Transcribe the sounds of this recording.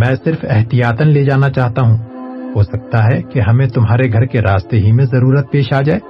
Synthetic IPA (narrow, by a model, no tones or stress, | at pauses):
mɛ̃ːsɪɾfɛɦt̪ijaːt̪ənled͡ʒaːnat͡ʃaːɦt̪aɦũːɦoːsɐk̚t̪aɦɛkeɦɐmẽt̪ʊmɦaːɾeɡʱɐɾkeɾaːst̪eɦimẽzɐɾuːɾət̪̚peːʃaːd͡ʒaːeː